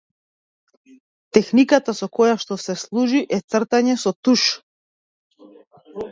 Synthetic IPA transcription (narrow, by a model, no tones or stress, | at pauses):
t̪ɛxnikat̪asɔkɔjaʃt̪ɔsɛslˠuʒiʔɛt̪sr̩t̪aɲɛsɔt̪uʃ